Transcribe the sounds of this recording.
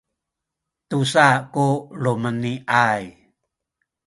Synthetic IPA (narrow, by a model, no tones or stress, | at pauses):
tusakuluməniʔaj